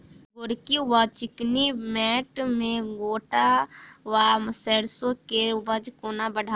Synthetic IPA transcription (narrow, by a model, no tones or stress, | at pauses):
ɡʊɽkiwat͡ʃɪknimɛːʈmẽɡoːʈaʋaməseːɽsõkeʊbəd͡ʒkoːnabəɽʱa